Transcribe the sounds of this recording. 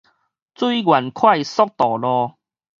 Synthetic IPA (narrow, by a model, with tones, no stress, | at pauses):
t͡su˥˧i˦ɡwa˨˩nkʰwa˥˧˨jsɔ˦k̚t̪ɔ˨˩lɔ˧